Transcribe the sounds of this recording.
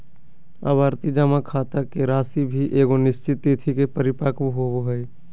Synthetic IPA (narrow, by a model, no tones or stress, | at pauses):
ə̰bʱaːɾt̪id͡ʒamakʰaːt̪akeɾaːsibʱiʔeːɡonɪst͡ʃɪt̪ːit̪ʰikepəɾɪpaːkbɦooɦəj